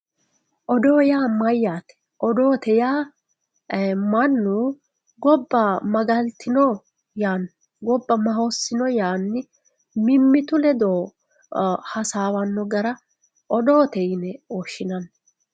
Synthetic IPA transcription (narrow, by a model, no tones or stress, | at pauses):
ʔɔd̪o̞ːjaːmɐjːaːt̪ | ʔɔd̪oːt̪ɛjaː | mɐnːu | ɡɔbːɐmɐɡɐlt̪ʰːɪnɔ | jaːn | ɡɔbːɐmɐɦosːɪnɔjaːnːɪ | mɪmːɪt̪ʊlɛd̪oː | hɐsaːwɐnːɔɡɐɾɐ | ʔɔd̪oːt̪ɛjnɛoːʃːɪnɐn